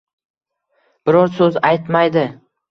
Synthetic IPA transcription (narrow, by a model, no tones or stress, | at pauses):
b̥ɪɾɒɾsɵzajt̪majd̪ɪ